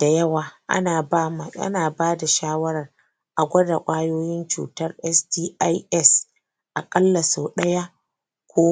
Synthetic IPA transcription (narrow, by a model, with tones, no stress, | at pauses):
d̥a˨jɐ˦waː˨ʔa̰˦naː˨˦˨a̰˦naː˨baː˦da˨ʃaː˦wɐ˦ɾɐ˨r | ʔa˨ɡʷɐ˦da̰˨kʷʼaː˦joː˦jɪ˦nt͡ʃṵː˨tɐ˦rʔɛ˦sdiː˦ʔa˦jʔɛ˦s | ʔa˨kʼɐ˦lːɐ˨su˨ɗɐ˦ja˦ | kʷoː˦